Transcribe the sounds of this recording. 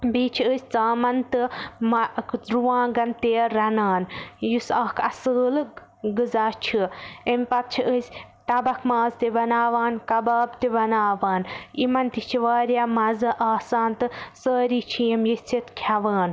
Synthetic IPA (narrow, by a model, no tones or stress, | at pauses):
biːt͡ʃʰiəsʲt͡saːmɐnt̪ɨmɐkɾuʋãːɡɐnt̪eːɾɐnaːnjusaːkʰɐsəːlɨ | ɡɨzaːt͡ʃʰiemʲpɐp̚t͡ʃʰiʔəsʲ | t̪ɐbɐkʰmaːzt̪ibɐnaːʋaːnkɐbaːbt̪ibɐnaːʋaːnimɐnt̪it͡ʃʰiʋaːɾjamɐzɨʔaːsaːnt̪ɨsəːɾiːt͡ʃʰijɐmjisʲt͡sʰit̪kʰɐʋaːn